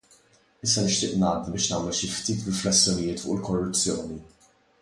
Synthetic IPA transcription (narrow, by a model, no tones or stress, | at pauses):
ɪsːɐnɪʃt̪ɪːʔnɐːd̪ibɪːʃnɐːmɛlʃift̪iːt̪ɾɪflɛsːjɔnɪjɪːt̪fʊ̰ʔɪlkɔrːʊt͡sːjɔːni